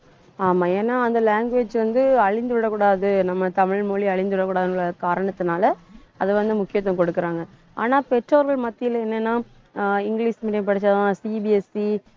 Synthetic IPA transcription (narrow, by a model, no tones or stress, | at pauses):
aːmãːeːnːaːɐnd̪ɐlaːŋɡʋeːd͡ʒʋɐnd̪ɯɐɻɪnd̪ɯɽɐkuːɽaːðɯnɐmːɐt̪ɐmɪɭmoːɭiɐɭɪnd̪ɯɽɐkːuːɽaːðɯnɭɐkaːɾɐɳɐt̪ːɯnaːlɐɐðɯʋɐnd̪ɯmʊkːɪjɐt̪̬ːʋɐ̃kɔɽɯkːɯɾaːŋɡɐ | a̰ːnaːpɛʈɾoːɾʋɐɭmɐt̪ːɪjɐlɐɛnːɛnːaː | ɪŋɡɭiːsmiːʈːɐp̬ɐɽɪt͡ʃːaãːsibiɛsi